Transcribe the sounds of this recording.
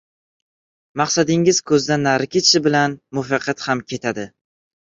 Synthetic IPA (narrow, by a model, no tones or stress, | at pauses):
mɑqsad̪ɪŋɪz̥kʰɵzd̪anaɾkʲʰet͡ʃɪbɪlanmʊfɑqɑt̪hamkʲʰe̞t̪ʰad̪ɪ